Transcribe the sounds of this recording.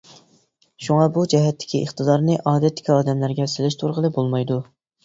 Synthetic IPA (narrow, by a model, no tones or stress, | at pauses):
ʃuŋɑbud͡ʒɛɦɛt̪ʰːɪ̥kʲiʔəχt̪ɨd̪ɑɾnɨʔɑːd̪ɛt̪ʰːɪ̥kʲiɑːd̪ɛmlæɾɡʲɛsɪlɪʃt̪ʰuɾʁəlˠɨbolˠmɑjd̪u